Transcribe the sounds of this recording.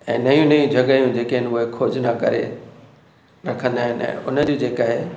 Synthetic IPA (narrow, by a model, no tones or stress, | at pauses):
ɛ̃ːnɐjũnɐjũd͡ʑʱɐɡaːjũd͡ʑeːkeɦɪnɪʊɦekʰoːd͡ʑnakɐ̰ɾḛ | ɾɐkʰə̃nd̪aːɦɪnɛ̰̃ːʔʊnəd͡ʑud͡ʑeːkaːɦe